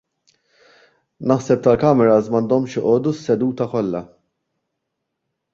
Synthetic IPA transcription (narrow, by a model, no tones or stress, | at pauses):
nɐħsɛp̚t̪ɐlkɐmɛɾɐsmɐnd̪ɔmʃjɪʔɔːd̪usːɛd̪uːt̪ɐkɔlːɐ